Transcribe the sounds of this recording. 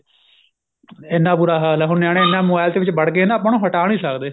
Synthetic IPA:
enːaːpuːɾaːɦaːlɛːɦʊnːjaːɽ̃ẽɪnːãːmoːbaːlt̪eːʋɪt͡ʃbəɽk̬eːnãːpaːnũːɦəʈaːnĩːsəkd̪eː

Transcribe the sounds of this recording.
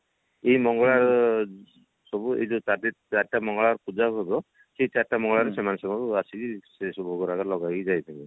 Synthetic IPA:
ejmɔŋɡɔɭaɾ | sɔbuḛd͡ʒot͡ʃad̪eɾt͡ʃaɾʈamɔŋɡɔɭaɾpud͡ʒaɦobo | sejt͡ʃaɾʈamɔŋɡɔɭaɾesemanesɔmakuasʰikisesobʱoɡɔɾakalɔɡaid͡ʒajt̪ʰini

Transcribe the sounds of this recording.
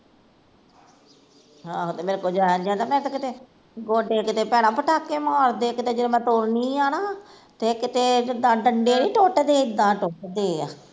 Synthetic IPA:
ɦãːot̪eːmeːɾekoːd͡ʒaːnd͡ʒãːd̪aːmɛ̃ːt̪akɪt̪eː | ɡoːɖeːkɪt̪eːpɛːɽ̃ãːpəʈaːkːeːmɔːɾd̪eːkɪt̪eːd͡ʒeːdemɛ̃ːt̪oːɾniːaːnaː | t̪eːkɪt̪eːd͡ʒɪd̪ãːɖəɳɖeːniːʈoːʈd̪eːd̪ãːʈoːʈd̪eːaː

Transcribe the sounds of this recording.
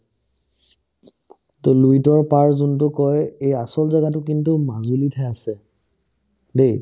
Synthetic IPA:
toluitɔɹpaɹzuntʊkɔjejasɔlzaɡatʊkintʊmazulitʰaasɛ | dej

